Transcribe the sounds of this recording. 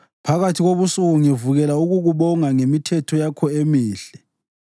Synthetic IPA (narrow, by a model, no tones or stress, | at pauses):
pʰaɣatʰiɣoβusuuŋɛvuɣɛlauɣuɣuβɔŋaŋemitʰɛtʰɔjakʰɔemiːɬɛ